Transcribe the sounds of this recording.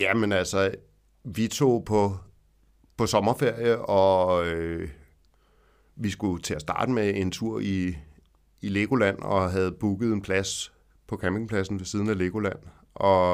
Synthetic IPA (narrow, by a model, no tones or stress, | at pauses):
jæmenæl̰sɒ | ʋit͡sʰo̝̰ːpʰɒ̽ | pʰɒ̽sɒ̽mɐfe̝ɐ̰jəɒ̽ | ʋisɡ̥ut͡sʰe̝æsd̥ɑ̈ːd̥əmee̝nt͡sʰuɐ̰iː | le̝ɡ̥o̝læn̰ɒ̽ɦæð̞̩ˠb̥uɡ̥ð̞̩ˠe̝npʰlæs | pʰɒ̽kʰæme̝ŋpʰlæsn̩ʋe̝siːð̞ˠn̩æle̝ːɡ̥o̝læn̰ | ʔɒ̽